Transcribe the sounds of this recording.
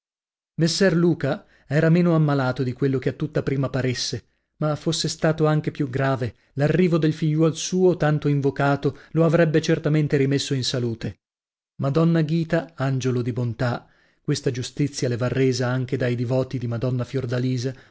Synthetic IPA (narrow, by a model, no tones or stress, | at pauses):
mesːɛrluːka | ɛːɾameːnoamːalaːt̪od̪ikwelːok̟eat̪ːut̪ːapɾiːmapaɾesːe | mafosːest̪aːt̪oaŋk̟epjuɡɾaːve | larːiːvod̪elfiʎːwɔlsuːot̪ant̪oiɱvokaːt̪oloavɾɛbːet͡ʃert̪ament̪eɾimesːoinsaluːt̪e | mad̪ɔnːaɡiːt̪aand͡ʒolod̪ibont̪a | kwest̪ad͡ʒust̪it̪sːjalevarːeːzaaŋk̟ed̪ajd̪ivɔːt̪id̪imad̪ɔnːafjord̪aliːza